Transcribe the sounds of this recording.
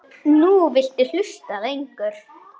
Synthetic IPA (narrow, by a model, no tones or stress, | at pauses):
nuvɪl̥t̪ɪl̥ʏst̪aðejŋkœɾ̥